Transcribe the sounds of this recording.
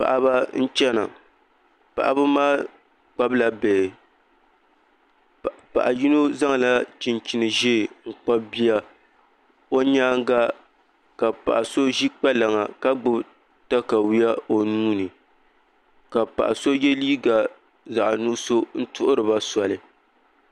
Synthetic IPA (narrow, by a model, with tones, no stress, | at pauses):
pa̰˨ʔa˨ba˦n̩˦t͡ʃɛ˦na̰˨ | pa̰˨ʔa̰˦ba˦maː˦ | k͡pa˦bla˨beː˨ | pa̰˨ʔa˨ji˦no˦za˦ŋ˨la˦t͡ʃi˨nt͡ʃi˨nɨ˨ʒeː˦˨ŋ̩˨k͡pa˦bi˦ja˦ | o˦ɲaː˦ŋ˦ɡa˦ | ka˨pa̰˨ʔa˨so˦ʒi˦k͡pa˦la˨ŋa˨ka˦ɡ͡bʊ˦b | ta˦ka˨wi˦ja˦o˨nuː˦nɨ˨ | ka˨pa̰˨ʔa̰˨so˦je˦liː˦ɡa˨ | za˨ʔnu˦so˦n̩˦tʊ˦ʔʊ˦ɾɨ˨ba˦sa˨lɨ˨